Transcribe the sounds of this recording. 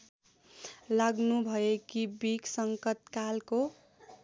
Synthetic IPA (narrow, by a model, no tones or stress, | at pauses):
laɡnubʱʌekibiksʌŋkʌt̪kalko